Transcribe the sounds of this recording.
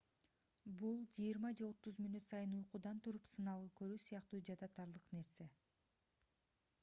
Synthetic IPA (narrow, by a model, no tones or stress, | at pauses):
bulˠd͡ʒijiɾmɑd͡ʒe̞o̞t̪ːuzmʲinut̪sɑjɯnujquːd̪ɑnt̪ʰuɾupsɯnɑlˠɯkø̞ɾyːsijɑqt̪uːd͡ʒɑd̪ɑt̪ɑɾlˠɯqne̞ɾse̞